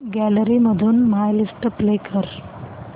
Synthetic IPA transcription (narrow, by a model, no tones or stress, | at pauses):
ɡæləɾiməd̪ʱuːnmajlisʈəplekəɾ